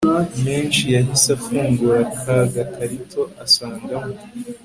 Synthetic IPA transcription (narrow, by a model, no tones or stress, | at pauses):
ame̞ːnʃijaɦisafuːŋɡuɾakʰaɡatʰaɾitʰo̞ʔasaːŋɡamo